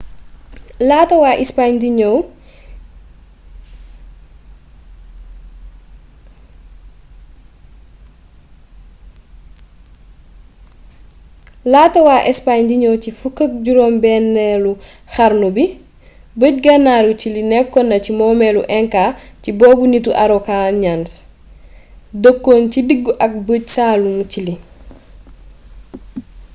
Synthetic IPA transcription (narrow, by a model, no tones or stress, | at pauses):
laːtɐwaʔispaɲdiɲɔw | laːtɐwaːʔɛspaɲdiɲɔwcifukːək̚ɟuɾɔːmbɛnːɛlu | xaɾnubi | bəɟ̚ɡanːaːɾucilinɛkːɔnːɐcimɔːmɛluʔɛŋkacibɔːbunituʔaɾɔkaɲans | dəkːoːncidiɡːuʔɐk̚bəɟsaːlumt͡ʃili